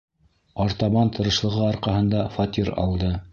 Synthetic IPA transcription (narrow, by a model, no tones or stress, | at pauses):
ɑɾt̪ɑβɑnt̪ʰɤ̆ɾɤ̆ʃlˠɤ̆ʁɤɑɾqɑɦɤ̆nd̪ɑfɐt̪ʲiɾɑ̰lˠd̪ɤ